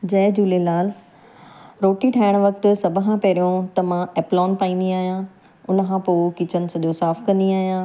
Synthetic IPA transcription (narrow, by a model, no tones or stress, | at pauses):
d͡ʑɐːd͡ʑuːlelaːl | ɾoːʈiʈʰaːɪɽ̃ʋɐk̚t̪ʊ̆sɐbʱəkʰãpɐɾijõt̪ɐmãɛːplɔːnpaːĩːn̆d̪iaːɦijã | ʊnəkʰãpoːkɪt͡ɕənɪ̆sɐʄosaːfkɐ̃nd̪iaːɦijãː